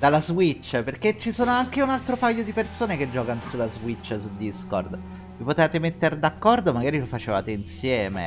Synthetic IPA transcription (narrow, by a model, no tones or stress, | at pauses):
d̪alːazwit͡ʃːperket͡ʃːisoːnoaŋk̟eunalt̪ɾopajːod̪ipersoːneked͡ʒːɔːkanosulːazwit͡ʃːsuld̪iskord̪ | vipot̪evaːt̪emet̪ːerd̪akːɔrd̪omaɡaːɾilofat͡ʃeva̰ːt̪einsjɛːmḛ